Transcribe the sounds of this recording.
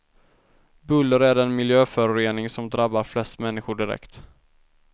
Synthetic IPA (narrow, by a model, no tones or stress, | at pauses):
bɵlːəɾæɖɛnmɪljøːfœɾʊɾeːnɪŋsɔmd̪ɾabːaɾflɛst̪mɛnːɪɧʊɖɪɾɛ̰kt̪